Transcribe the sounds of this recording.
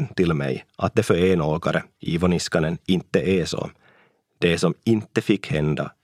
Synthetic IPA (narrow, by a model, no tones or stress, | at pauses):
nt̪ɪlmɛ̰jʔat̪̚d̪ɛfœɾeːnoːɡaɾəiʋɔnɪskɑnənɪnt̪ːəʔɛsɔ̰ | d̪̥ɛsɔmɪnt̪ːəfɪkːhɛnd̪a̰